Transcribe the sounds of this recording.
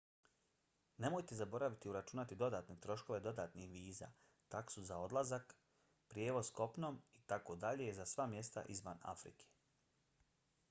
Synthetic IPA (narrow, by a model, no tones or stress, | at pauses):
ne̞mo̞jt̪e̞zabo̞ɾaʋit̪iuɾat͡ʃunat̪id̪o̞d̪aːt̪net̪ɾo̞ʃko̞ʋe̞d̪o̞d̪aːt̪nixʋiːza̰ː | t̪aksuzao̞d̪lazak | pɾjeːʋo̞zsko̞pno̞ːmit̪ako̞d̪aʎezasʋamje̞st̪a̰ʔizʋa̰na̰fɾḭkʰe̥